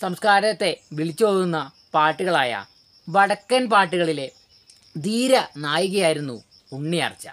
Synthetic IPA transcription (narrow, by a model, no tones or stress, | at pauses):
sɐmskaːɾɐt̪ːe̞ʋiɭit͡ɕːupoːɣunːɐ | paːʈːuɣɐɭaːjɐ̰ | ʋɐɽɐkːɐnpaːʈːuɣɐɭile | d̪iːɾɐnaːjiɣɐjaːjiɾunːu | uɳːijɐ̰ːrt͡ɕːa̰